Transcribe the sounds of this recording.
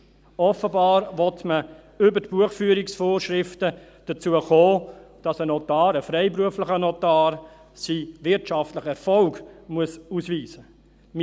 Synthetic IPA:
ɔfəbɑːɾʋɔtmə | ʏbətb̥uəχfyːɾiksfoːɾʃɾɪftə | d̥ət͡suəχoːd̥ɑsənɔtɑːɾəfɾɛɪpɾuəfləχənɔtɑːɾ | siʋɪɾtʃɑftləχɛɾfɔlɡmuəsusviːsə | m

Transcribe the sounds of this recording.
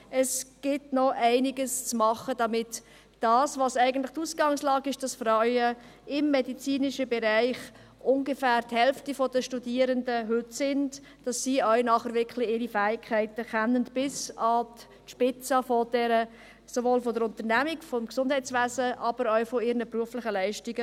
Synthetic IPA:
ɛsɡ̥ɪtnɔʔæɪnɪɡəst͡smɑχəd̥ɑmɪt | d̥ɑːsvɑsæɪɡən̩tlɪχtuːsɡɑŋslɑːɡɪʃd̥ɑsfɾœʏə | ɪmːeɛdit͡siːnɪʃəbɛɾæɪχ | ʔʊnɡefæːɾthɛlftifɔd̥əʃtudiːəɾəndəɦʏtsɪnd | d̥ɑsːiːœɥnɑχəɾvɪkʰlɪɪɾifɛːɪkʰːæɪtəχɛnːəntb̥ɪsɑt | ʃpɪt͡sɑfɔd̥ɛɾə | sovoːlfɔdəɾʊnt̪əɾnæmiɡfɔmksʊnd̥hæɪt͡sʋæːzəʔɑb̥əɾœʊfɔɪɾnəpɾuəflɪχəlæɪʃtiɡə

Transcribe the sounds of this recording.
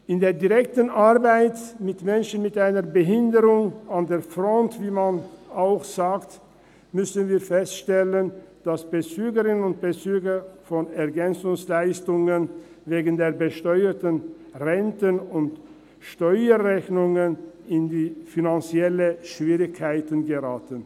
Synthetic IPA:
ʔɪndeːɐdiʁɛk̚tənʔaʁbaɪtmɪtmɛnʃən̩mɪtʔaɪnəbəɦɪndəʁʊŋandeːfʁɔntv̥iːmanaʊxz̥aːkt | mʏsənviːɐfɛstʃtɛlənd̥asb̥ət͡syːɡəʁɪnənʊnt̚b̥ət͡syːɡəfɔnɛɐɡɛnt͡sʊŋslaɪstʊŋən | veːɡən̩deːɐbəʃtɔʏətən | ʁɛntənʊnt | ʃtɔʏəʁɛçnʊŋənɪndiːfinant͡siɛləʃv̥iːʁɪçkʰːaɪtənɡəʁaːtən

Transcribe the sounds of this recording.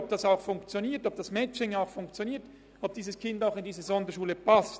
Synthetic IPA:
b̚d̥ɑsaʊxfʊŋkt͡sjoniːtɔb̚d̥ɑsmɛt͡ʃɪŋaʊxfʊŋkt͡sjoniːɐt | ob̚d̥iːzəskʰɪndaʊxɪndiːzəzɔndəʃuːləpʰast

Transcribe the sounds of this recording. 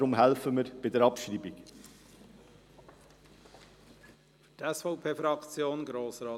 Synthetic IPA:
ɾʊmɦælfəməɾb̥ɪdɛɾɑpʃɾiːbik | ftɛsfɔʊpʰeːfɾɑkt͡sjoːnɡɾoːsɾɑː

